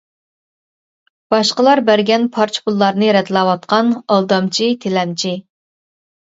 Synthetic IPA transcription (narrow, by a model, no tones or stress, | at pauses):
b̥ɑʃqəlˠɑɾbæɾɡʲɛnpʰɑɾt͡ʃʰpulˠːɑɾnɨɾɛd̪lˠɑwɑt̪̚qʰɑnɑlˠd̪ɑmt͡ʃʰit̪ʰelɛmt͡ʃʰi